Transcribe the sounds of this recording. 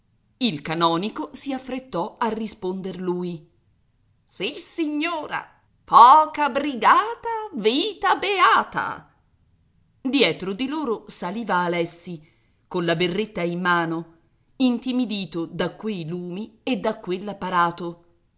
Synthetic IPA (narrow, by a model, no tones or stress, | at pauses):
ilkanɔːnikosiafːɾet̪ːɔarːispond̪erluːj | sisiɲːoːɾa̰ | pɔːkabɾiɡaːt̪aviːt̪abeaːt̪a̰ | d̪jɛːt̪ɾod̪iloːɾosaliːvaːlɛsːi | konlaberːet̪ːaimːaːno | int̪imid̪iːt̪od̪akːwejluːmied̪ːakːwelːapːaɾaːt̪o